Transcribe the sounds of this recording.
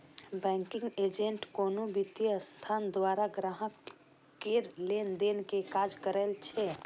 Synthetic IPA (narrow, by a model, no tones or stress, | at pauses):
bɛ̃ŋkiŋɡed͡ʒeɳʈkonobit̪jəst̪ʰand̪waɾaɡɾaɦək | keɾlend̪enkekad͡ʒkəɾɛlt͡ʃʰɛ